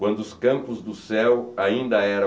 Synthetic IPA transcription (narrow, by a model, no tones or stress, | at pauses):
wɐ̃nd̪ʊːskɐ̃mpʊzd̪ʊsɛwaĩnd̪ɐɛɾɐ̃